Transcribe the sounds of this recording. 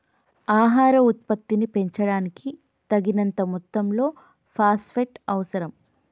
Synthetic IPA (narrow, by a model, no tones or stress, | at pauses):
aːɦaːɾɐut̪̚pɐt̪ːinipe̞ɲt͡ʃɐɽaːniki | t̪ɐɡinɐnt̪ɐmut̪ːɐmlo̞ː | pʰaːspʰeʈɐʋɐsɐɾɐm